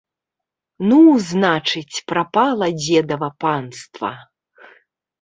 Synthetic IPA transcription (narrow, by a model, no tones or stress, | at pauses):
nuznat͡ʂɨt͡sʲpɾapalˠɐd͡zʲɛd̪ɐvɐpanst̪vɐ̰